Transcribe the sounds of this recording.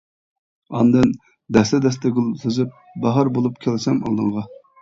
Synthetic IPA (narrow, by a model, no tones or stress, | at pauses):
ɑnd̪ɨn | d̪ɛslɪd̪ɛst̪ɛɡʲulˠsezyp̚ | bɑɦɑɾbolˠupkʲʰælsɛmo̰lˠd̪ɨŋʁɑ